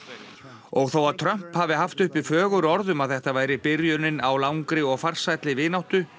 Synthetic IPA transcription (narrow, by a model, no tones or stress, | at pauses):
ɔɣθowaɾt̪ʰɾœm̥phavɪɦaft̪ʏhpɪfœːɣʏɾɔɾðʏmaðθɛht̪avaːjɾɪpɪɾjʏnɪnawlawŋkɾɪɔɣfar̥sajt̪lɪvɪːnawht̪ʏ